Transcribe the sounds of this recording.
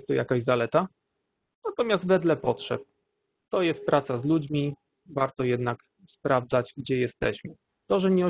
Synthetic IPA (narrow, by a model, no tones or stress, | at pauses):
st̪ːɔja̰kaʑzalɛt̪a | nat̪ɔmʲjazd̪t̪vɛd̪lɛpɔtʂɛ̰p̚ | t̪ɔjɛst̪̚pɾat̪sazlud͡ʑmʲi | vaɾt̪ɔjɛd̪nak | spɾavd̪zad͡ʑɡd͡ʑɛjɛst̪ɛ̰ɕmɘ | t̪ɔʐɛɲɛɔ